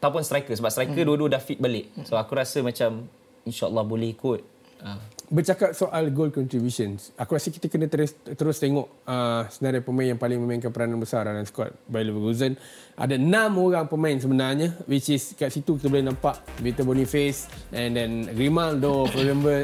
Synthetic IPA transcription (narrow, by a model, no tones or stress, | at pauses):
at̪auwpʊnst̪ɾajkəsəbap̚st̪ɾaikəduwəduədafit̪̚balɪʔsoakuɾasəmãt͡ʃam | inʃaɔ̰lːɔhbolɛhikʊt̪̚ | əbərt͡ʃakap̚soʔalɡold̚kɔnt̪ɾibjusənsakuɾasəki̥t̪əkənat̪əɾst̪əɾʊst̪eŋɔʔəsənaɾajpəmãɪ̃injaŋpalɪŋmə̃mainkanpəɾananbəsarɾanansə̥kɔ̰t̪̚bajlivəɡuzən | ʔa̰danãmoɾaŋpəmãins̬əbənarɲəwit͡ʃiskaʔsit̪ukit̪əbolɛhnãmpaʔvet̪əbonifesʔɛ̃ndɛnɡɾimãldopɾoɡambə